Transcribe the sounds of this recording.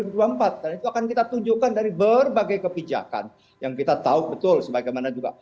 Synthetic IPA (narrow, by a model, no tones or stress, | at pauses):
uduampat̪̚danit̪uakankit̪at̪uɲd͡ʒukandaɾibərbaɡajkəpid͡ʒa̰ka̰n | jaŋkit̪at̪aubət̪ʊlsəbaɡajmanad͡ʒuɡa̰